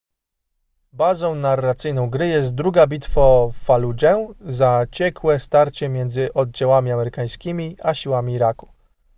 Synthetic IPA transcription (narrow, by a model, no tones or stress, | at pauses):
bazɔ̃w̃narːat̪sɘjnɔ̃w̃ɡɾɘjɛs̬t̪̚d̪ɾuɡabʲit̪fɔfalud͡ʑɛzat͡ɕɛkwɛst̪aɾt͡ɕɛmʲjɛnd̪zɘʔɔd̪̚d͡ʑawamʲiamɛɾɘkaj̃skʲimʲiaɕiwamʲiɾaku̥